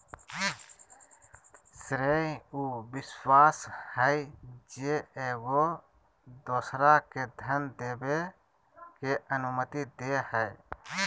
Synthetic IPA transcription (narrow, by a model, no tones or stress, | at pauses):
sɾeuːbɪswaːshəjd͡ʒeeːɡo | d̪oːsɾaked̪ʱənd̪eːbe | keʔənʊmət̪id̪ehəj